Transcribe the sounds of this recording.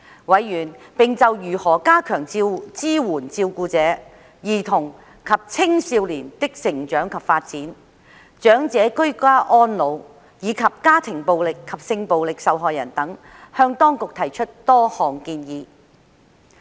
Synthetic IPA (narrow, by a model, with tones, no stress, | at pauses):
wɐ˨˧˥jːyː˨˩npɪ˨ŋt͡sɐ˨wjyː˨˩hɔː˨˩kaː˥kʰœː˨˩ŋt͡si˧wt͡siː˥wuː˨˩nt͡siː˧wkuː˧t͡sɛː˨˥ | jiː˨˩t̪ʰʊ˨˩ŋ | kʰɐ˨p̚t͡sʰɪ˥ŋsiː˧wliː˨˩nt̪ɪ˥k̚sɪ˨˩ŋt͡ʃœː˨˥ŋkʰɐ˨pfaː˧t̚t͡siː˨˥n | t͡ʃœː˨˥ŋt͡sɛː˨˥kɵ˥ɥkʷaː˥ʔɔː˥nlo˨˧w | jiː˨˧kʰɐ˨p̚kaː˥t̪ʰɪ˨˩ŋpo˨wlɪ˨kʰːɐ˨p̚sɪ˧ŋpo˨wlɪ˨k̚sɐ˨wɦɔː˨jɐ̰˨˩nt̪ɐ˨˥ŋ | hœː˧ŋt̪ɔː˥ŋkʊ˨k̚t̪ʰɐ˨˩jt͡ʃʰɵ˥t̚t̪ɔː˥hɔː˨˩ŋkiː˧njiː˨